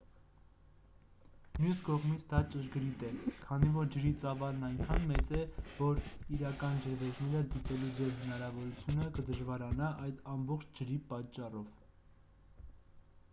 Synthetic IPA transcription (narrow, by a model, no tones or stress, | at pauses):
mjuskɔʁmit͡sʰd̪ɑt͡ʃəʒɡəɾit̪ɛkʰɑnivɔɾd͡ʒəɾit͡sɑvɑlnɑjŋkʰɑnmɛt͡sɛvɔɾiɾɑkɑnd͡ʒəvɛɾnɛɾəd̪it̪ɛlud͡zɛvhənɑɾɑvɔɾut͡sʰjunəkəd̪əʒvɑɾɑnɑʔɑjd̪ɑmbɔχt͡ʃʰd͡ʒəɾipɑt͡ʃːɑrɔv